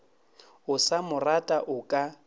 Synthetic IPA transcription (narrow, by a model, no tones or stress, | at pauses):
ʊsamʊratʼaʔʊkʼa